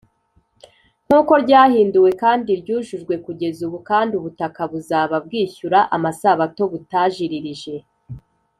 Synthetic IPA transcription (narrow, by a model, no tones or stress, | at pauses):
ŋ̥uːko̞ɾɟaːhiːnduwe̞kaːndiɾɟuːʒuʒɡwe̞kuɟe̞zuβukaːndiuβutakaβuzaːβab̚ɡiːçuɾaʔamasaːβato̞βutaːʒiɾiɾiʒe̞